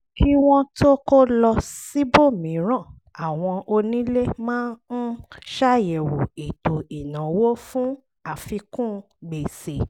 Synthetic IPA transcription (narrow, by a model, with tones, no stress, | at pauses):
kʰi˦w̃ɔ̃˦to˦ko˦lɔ˧si˦bo˦˨mĩ˨˦ɾ̃ã˦˨ | a˨w̃ɔ̃˧o˧nĩ˦le˦mãː˦n̩˦ʃa˦jɛ˨wo˨i˨to˨i˨nã˨wo˦fũ˦ | a˨fi˧kũ˦˧ | ɡ͡be˨se˨